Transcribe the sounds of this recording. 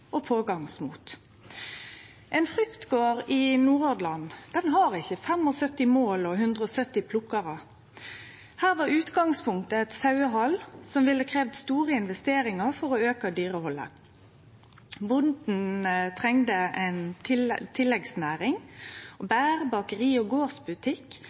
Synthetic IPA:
ɔpʰoːɡɑŋsmṵːt̪ | ʔɛnfʁʏkt̪ɡoːʁɪnuːʁoːd̪lɑnd̪̥ɛnɦɑʁɪçːəfɛmɔsœt̪ːɪmoːlɔɦʉnd̪ʁəɔsœt̪ːɪpʰlʊkːɑʁə | hæːʁʋɑʁʉːt̪ɡɑŋspʰʊŋkt̪əɛt̪sɑʉəɦɑlsɔmʋɪlːəkʰʁeːʋd̪st̪uːʁəɪnʋɛst̪eːɾɪŋɑʁfɔʁɔøːkəd̪yːʁəhɔlːə̰ | bʊnd̪n̩t̪ʰʁɛŋd̪əɛnt̪ʰt̪ʰɪlːɛɡsnæːʁɪŋɔbæːʁbɑkəʁiːɔɡoːʁsbʉt̪ʰɪkː

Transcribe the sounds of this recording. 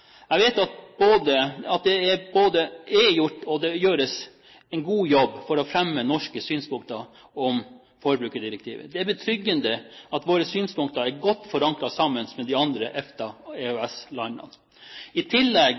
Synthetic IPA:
æɡʋeːt̪jɑt̪̚boːd̪əɑt̪̚d̪ɛæɾboːd̪əɛjʊʈːɔd̪ɛjøːɾəs | ɛnɡuːjɔbːfɔɾɔfɾɛmːənɔʂkəsyːnspʰʊŋkt̪ɑ | ɔm | foːɾəbɾʉːkəɖ̪ɪɾək̚t̪ʰḭːʋə̰d̪ɛæɾbət̪ʰɾʏɡːənd̪əɑt̪ʋoːɾəsyːnspʰʊŋkt̪ɑɾæɾɡɔt̪ːfɔɾɑŋkɾɑsɑmːənsmɛd̪ɪɑnd̪ɾəʔɛft̪əɛœɛslɑnɑ̰n | ɪt̪ʰɪlːɛɡ

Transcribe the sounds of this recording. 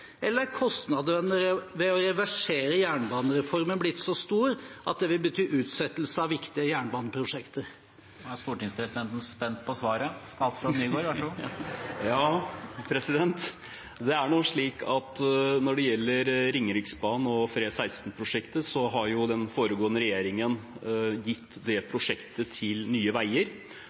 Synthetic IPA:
ʔɛlːəɾkʰɔst̪nɑd̪ənəʋɛɔɾɛʋæʂeːɾəjæːɳbɑːnəɾɛfɔɾmənblɪt̪ːsɔst̪uːɾʔɑ̰t̪̚d̪ɛʋɪlbət̪ʰyːʔʉːt̪sɛt̪ːl̩səɑʋʋɪkt̪ɪəjæːɳəbɑːnəpʰɾʊʂɛkt̪əɾ | æst̪uːʈɪŋspʰɾɛsɪd̪ɛnt̪n̩spɛnt̪̚pʰɔsʋɑːɾəɑsɔmnyːɡoːɾʋæ | jɑːpʰɾɛsɪd̪ɛnt̪ | d̪ɛæɳuʂɭiːkʰɑt̪nɔɖɛjɛlːəɾɾɪŋːəɾɪksbɑːnɔfɾeːsæɪst̪n̩pʰɾʊʂɛkt̪əsɔɦɑɾjʊd̪ɛnfoːɾəɡoːənəɾɛjeːɾɪŋənjɪt̪ːd̪ɛpʰɾʊʂɛkt̪ət̪ʰɪlnyːəʋæɪəɾ

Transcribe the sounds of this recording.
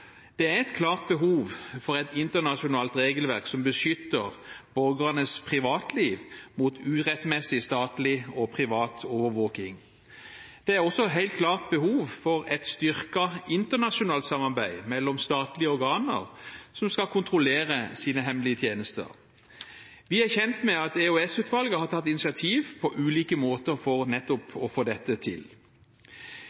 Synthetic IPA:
d̪̥ɛæɛt̪kʰlɑːʁt̪̚bəɦuːʋfɔʁɛt̪ɪnt̪ənɑʃʊnɑːlt̪ɾeːɡəlʋæʁksɔmbəʃʏt̪ːəʁbɔɾɡʁɑnəspʰʁɪʋɑːt̪liːʋmuːt̪ʰʉːʁɛt̪mɛsɪst̪ɑːt̪lɪɔpʰʁɪʋɑːt̪ʰɔːʋəɾʋoːkɪŋ | d̪̥ɛæʁɔsːɔɦæɪlt̪̚kʰlɑːʁt̪̚bəhuːʋfɔʁɛt̪st̪ʏʁkɑɪnt̪əʁnɑʃʊnɑːlt̪sɑmːɑʁbæɪmɛlːɔmst̪ɑːt̪lɪəɔɾɡɑːnə̰ʁsɔmskɑlkʰʊnt̪ʁʊleːʁəsiːnəɦɛmlɪət̪ʰjeːnəst̪ə̰ʁ | ʋɪæçɛnt̪mɛɑt̪ɛʉɛsʉːt̪ʋɑlɡəhɑt̪ʰɑt̪ːɪnɪsɪɑt̪ʰiːʋpʰɔʔʉːliːkəmoːt̪əʁfɔʁnɛt̪ːɔpɔfoːd̪ɛt̪ːət̪ʰɪl

